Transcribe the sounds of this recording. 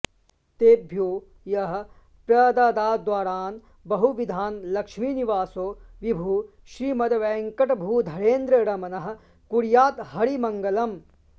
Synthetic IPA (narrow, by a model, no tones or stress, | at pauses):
t̪eːbʱjoː | jɐɦɐ̆ | pɾɐd̪aːd̪aːd̪ʋaːɾaːn | bɐɦuʋid̪ʱaːnlɐkʂmiːniʋaːsoːʋibʱuː | ʃɾiːmɐd̪ɐʋɛːŋkɐʈɐbʱuːd̪ʱɐɾeːnd̪ɾɐɾɐmɐnɐɦɐ̆ | kuɾjaːt̪ɦɐɾimɐŋɡɐlɐm